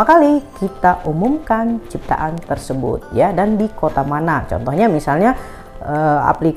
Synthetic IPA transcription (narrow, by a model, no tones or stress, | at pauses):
akalikit̪aʔumumkant͡ʃip̚t̪a̰ʔant̪ərsəbʊ̰t̪̚jadandikot̪amanat͡ʃɔ̰nt̪ɔhɲamisalɲa | əa̰plik